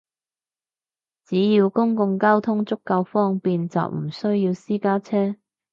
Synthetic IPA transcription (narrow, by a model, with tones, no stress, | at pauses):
t͡siː˨˥jiː˧wkʊ˥ŋkʊ˧ŋkaː˥wt̪ʰʊ˥ŋt͡sʊ˥kːɐ˧wfɔː˥ŋpiː˨˧nt͡sɐ̰˨wm̩˨˩sɵ˥ɥjiː˧wsiː˥kaː˥t͡sʰɛː˥